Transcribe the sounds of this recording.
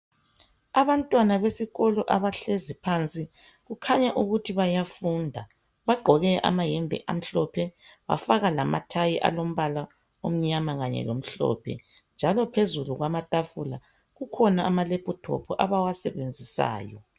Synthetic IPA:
aβantʼwanaβesiɣɔlɔʔaβaɬezipʰant͡sʼi | ɣukʰaɲaʔuɣutʰiβajafundʱa | βaɡ͡ǃʱɔɣɛʔa̰maɦɛmbʱɛ̰ʔa̰m̩ɬɔpʰɛβa̰faɣalama̰tʰajiʔa̰lom̩βala | om̩ɲamaɣaɲɛ̰lom̩ɬɔ̰ːpʰɛ̰ | nd͡ʒʱalɔpʰezuluɣwamatʼafula | ɣukʰɔnaːmalepʼutʰɔ̰pʰɔʔaβawasɛβend͡zʱisa̰ːjɔ̰

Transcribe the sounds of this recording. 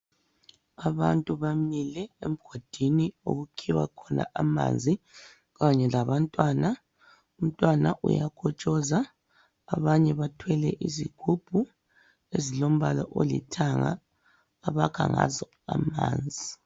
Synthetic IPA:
aβantʼuβamilɛem̩ɡ̥ʱod̥ʱinio̰ɣukʰiwa̰kʰɔna̰ʔama̰nd͡zʱi | ɣaɲɛlaβantʼwana | um̩tʼwanaʔṵjakʰɔt͡ʃʼɔzaː | βaɲɛβatʰwɛlɛʔiziɡ̥ʱub̥ʱu | ezilom̩βalɔʔolḭtʰaŋa̰ː | βakʰaŋazɔ | a̰ma̰ːnd͡zʱi

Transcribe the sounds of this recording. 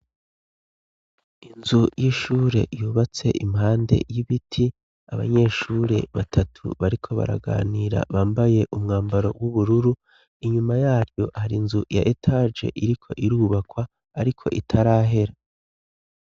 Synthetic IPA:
inzujiʃuːɾe̞̰juːβat͡se̞̰ʔimɦaːnde̞̰jiβitʰi | aβa̰ɲe̞ːʃuːɾe̞̰βatʰatʰṵβaɾikʰo̞βa̰ɾa̰ɡa̰ːniːɾa̰βaːmbaje̞ʔumŋaːmbaɾo̞̰wuβuɾuɾu | iɲumajaːɾjo̞haɾinzuja̰ʔetʰad͡ʒe̞̰ʔiɾikʰo̞̰ʔiɾuːβakwaː | ɾikʰo̞̰ʔitʰaɾaːɦe̞ɾa

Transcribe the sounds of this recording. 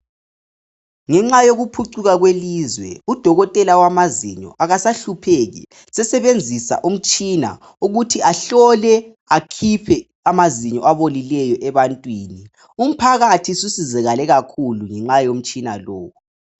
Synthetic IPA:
ŋɛŋ͡ǁajoɣupʰuǀuɣaɣwelizwɛ̰ud̥ʱɔɣɔtʼɛlawamazḭɲɔ̰ʔaɣasaɬupʰeɣḭ | sɛsɛβend͡zʱisa̰ʔum̩t͡ʃʼina̰ | uɣutʰiʔaɬɔlɛ | akʰipʰɛ | amaziɲɔʔaβolilɛjɔʔɛβantʼwiːni | um̩pʰaɣatʰisusizɛɣalɛɣakʰuluŋɛŋ͡ǁajom̩t͡ʃʼina̰loːwɔ

